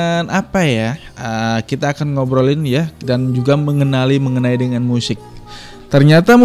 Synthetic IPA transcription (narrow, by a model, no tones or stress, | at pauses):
napaja | əkit̪aːkanŋobɾolɪnjadand͡ʒuɡaməŋənaliməŋənaidəŋanmusɪk̚ | t̪ərɲat̪am